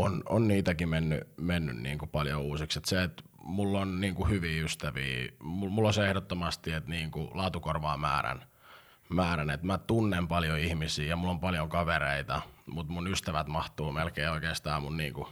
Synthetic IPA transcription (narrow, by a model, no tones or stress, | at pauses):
ono̰nniːt̪ækimenːy̰menːy̰nnḭːŋkupɑljo̰uːsikset̪seet̪ | mulːonniːŋkuhyʋiːyst̪æʋḭːmumulːoseehdot̪ːomɑst̪iet̪niːŋkulɑːt̪ukorʋɑːmæ̰ːɾæ̰n | mæːɾænet̪mæt̪unːempɑljoihmisiːjɑmulːompɑljoŋkɑʋeɾeit̪ɑmut̪munyst̪æʋæt̪mɑht̪uːmelkeioikeːst̪ɑːmunniːŋku